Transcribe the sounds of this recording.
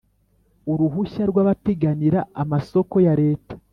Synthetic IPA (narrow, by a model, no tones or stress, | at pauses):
uɾuɦuçaɾɡwaːβateɡaniɾaamaso̞ko̞jaɾe̞ːtḁ